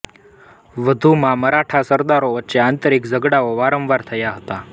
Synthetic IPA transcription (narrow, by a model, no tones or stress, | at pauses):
ʋəd̪ʱumãməɾaʈʰasəɾd̪aɾoʋətːʃeant̪əɾikd͡zəɡɽaoʋaɾə̃mʋaɾt̪ʰəjaɦət̪a